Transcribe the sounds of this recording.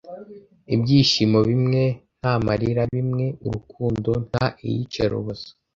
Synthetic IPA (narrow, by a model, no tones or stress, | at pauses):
ibɟiːʃimoβimŋe̞n̥hamaɾiɾaβimŋe̞uɾukʰuːndo̞n̥haʔḭjḭt͡ʃeɾo̰βozo̥